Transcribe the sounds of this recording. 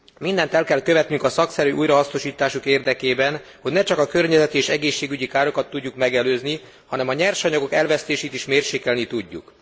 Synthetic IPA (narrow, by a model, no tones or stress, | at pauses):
mind̪ɛnt̪ɛlkɛlkøvɛt̪nyŋkɒsɒksɛɾyːʔujɾɒɦɒsno̞ʃiːt̪aːʃukeːrd̪ɛkeːbɛn | ho̞ɟnɛt͡ʃɒkɒkø̞rɲɛzɛt̪ieːʃɛɡeːʃːeːɡyɟikaːɾo̞kɒt̪ːuɟːukmɛɡɛløːzni | hɒnɛmɒɲɛrʃɒɲɒɡo̞kɛlvɛst̪eːʃeːt̪iʃmeːrʃeːkɛlnit̪uɟːṵk